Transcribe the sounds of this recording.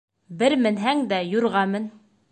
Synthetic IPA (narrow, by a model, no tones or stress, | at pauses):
bɘɾmɘ̆nɦæŋd̪æjŏɾʁɑmɘ̆n